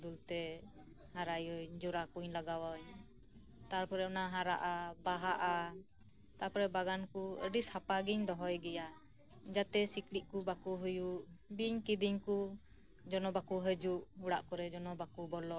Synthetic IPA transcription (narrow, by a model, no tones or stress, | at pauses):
d̪ult̪ɛ | haɾajɔɲd͡ʒuɾakuɲlaɡawɔɲ | t̪aɾpɔɾɛp̚naɦaɾa̰ʔabaɦaʔa | t̪apɾɛbaɡankuə̰ɖisapaɡiɲd̪ɔɦɔjɡɛja | d͡ʒat̪ɛsikɽiʔkubakuɦujuʔbiɲkid̪iɲku | d͡ʒɔnɔbakuɦəd͡ʒuʔuɽaʔkɔɾɛd͡ʒɔnɔbakubɔlɔʔ